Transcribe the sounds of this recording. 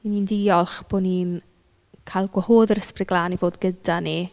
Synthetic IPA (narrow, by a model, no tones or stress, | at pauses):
iniːndiːɔlˠχb̥oniːn | kʰajlˠɡwəhoːðəɾəsprɪɡlˠaːnivoːdɡədani